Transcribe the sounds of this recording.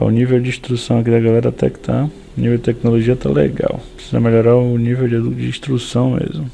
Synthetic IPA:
a̰ʊnivewd͡ʒĩʃt̪ɾusɐ̃w̃akid̪ɐɡalɛɾɐat̪ɛ̰kɪ̥t̪ʰa | ʊnivewd͡ʒɪt̪ɛk̚noloʒiɐt̪a̰lḛɡa̰wpɾi̥siza̰meʎoɾaʊnivewd͡ʒd͡ʒɪĩʃt̪ɾusɐ̃w̃mḛzmʊ

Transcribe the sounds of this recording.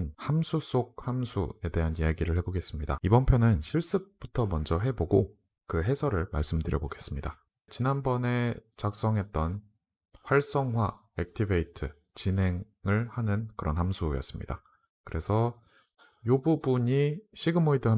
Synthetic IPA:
nhamsʰus͈oɡ̚hamsʰue̞de̞ɦanijaɡiɾɯɭhe̞boɡe̞s͈ɯmɲida̰ibʌnpʰjonɯnɕʰiɭs͈ɯp̚p͈utʰʌmʌnd͡ʑʌɦe̞boɡo | kɯɦe̞sʰʌɾɯɭmaɭs͈ɯmdɯɾjʌboɡe̞s͈ɯmɲida | t͡ɕinanbʌne̞t͡ɕak̚s͈ʌŋɦe̞t̚t͈ʌn | ɸwaɭs͈ʌŋɦwa | ek̚tʰibeitʰɯ | t͡ɕinɦe̞ŋ | ɯɭhanɯnkɯɾʌ̰nhamsʰujʌ̰s͈ɯmɲḭda | kɯɾe̞sʰʌ | jobubuɲiɕʰiɡɯmoidɯɦa

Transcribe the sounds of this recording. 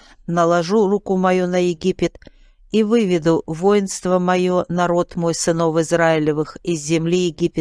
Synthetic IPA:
nəlˠɐʐurukʊmɐjunəjɪɡʲipʲɪt̪ | ivɨvʲɪd̪ʊvo̞jɪnst̪vəmɐjonɐɾo̞t̪mo̞jsɨno̞fɨzɾaɪlʲɪvɨxɪzʲːɪmlʲijɪɡʲipʲɪt̪

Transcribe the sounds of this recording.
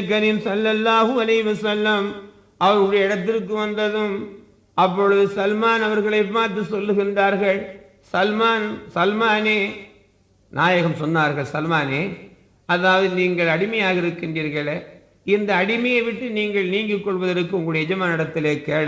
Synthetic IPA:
kːɐnɪmsɐlːɐlːaːɦɯɐlɐɪɦɪʋɐsɐlːɐm | ɐʋɐɾʊɽɐjɐɪɽɐt̪̬ːɪɾk̬ːɯʋɐnd̪ɐðɯm | ɐp̬ːɔɻɯðɯsɐlmaːnɐʋɐɾɣɐɭɐɪpːaːɾt̪ːɯsɔlːɯɣɪndraːɾɣɐɭ | sɐlmaːnsɐlmaːneː | nʔaːjɐɣɐmsɔnːaːɾɣɐɭsɐlmaːneː | ɐðaːʋɐðɯniːŋɡɐɭɐɽɪmɐjaːɣɐɪɾɯkːɪndiːɾɣɐɭe | ɪnd̪ɐːɽɪmɐjɐɪʋɪʈːɯniːŋɡɐɭniːŋɡɯkːɔɭʋɐðɐɾɯkːɯʊŋɡɐɽɭːɽɐjɐɛd͡ʒɐmaːnɪɽɐt̪ːɪleːkeːɽ

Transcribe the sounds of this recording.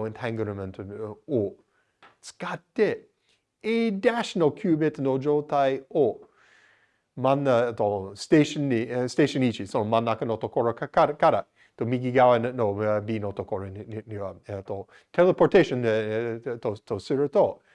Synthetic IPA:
ɛ̃ntʰæ̃ŋɡəɾəmɛ̃ntʰoo | skatːe | edæʃənəlˠkʰjuːbet̪ənod͡ʒotʰaɪo | manətosteɪʃənːisteɪʃə̃nit͡ʃisonmanːakənot̪okʰɔɹəkaɾkaɾə | t̪omiɡiɡawənnobinot̪okʰɔɹənntʰo | tʰɛlˠəpʰɔɹtʰeɪʃə̃n | tʰotʰosɪɹətʰo

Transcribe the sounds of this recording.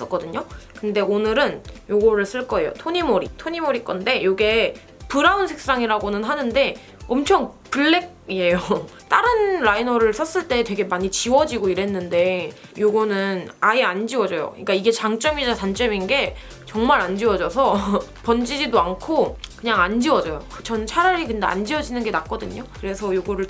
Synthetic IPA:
s͈ʌk͈ʌdɯɲokɯnde̞onɯɾɯnjoɡʌɾɯɭs͈ɯɭk͈ʌe̞jo̰tʰoɲimoɾitʰoɲimoɾik͈ʌnde̞joɡe̞ | pɯɾaunsʰe̞k̚s͈aŋiɾaɡonɯnɦanɯnde̞ | ʌmt͡ɕʰʌŋ | pɯɭːe̞k̚ie̞jot͈aɾɯnɾainʌɾɯɭs͈ʰʌs͈ɯɭt͈e̞twe̞ɡe̞maɲit͡ɕiwʌd͡ʑiɡoiɾe̞nːɯnde̞joɡʌnɯnaiand͡ʑiwʌd͡ʑʌjo̰ɲk͈aiɡe̞t͡ɕaŋt͡ɕ͈ʌmid͡ʑatant͡ɕ͈ʌminɡe̞ | t͡ɕʌŋmaɾand͡ʑiwʌd͡ʑʌsʰʌpʌnd͡ʑid͡ʑidoankʰokɯɲaŋand͡ʑiwʌd͡ʑʌjokɯt͡ɕʌnt͡ɕʰaɾaɾikɯndea̰nd͡ʑiwʌd͡ʑinɯnɡe̞nak͈̚ʌdɯɲokɯɾe̞sʰʌjoɡʌɾɯɭ

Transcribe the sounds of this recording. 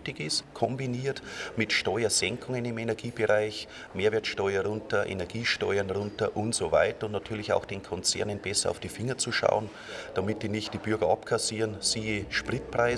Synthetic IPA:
tɪkɪstkʰɔmbiniːɐtmɪtʃtɔʏɐzɛŋkʰʊŋənɪmenɛɐɡiːbɪʁaɪç | meːɐveːɐtʃtɔʏɐʁʊntɐʔḛnɛɐɡiːʃtɔʏɐnʁʊntəʔʊntz̥ova̰ɪtəʊntnatʰyːɐlɪça̰ʊxd̥eːnkʰɔnt͡sɛ̰ɐnənb̥ɛsɐa̰ʊfd̥iːfɪŋɐt͡suʃa̰ʊən | d̥amɪtdiːnɪçt̚d̥iːb̥ʏɐɡɐɑpkʰasiːʁənsiːeʃpʁ̥ɪt̚pʁ̥aɪ

